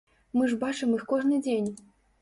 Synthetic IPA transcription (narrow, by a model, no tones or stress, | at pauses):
mɨʐbat͡ʂɨmɨxkɔʐnɨd͡zʲenʲ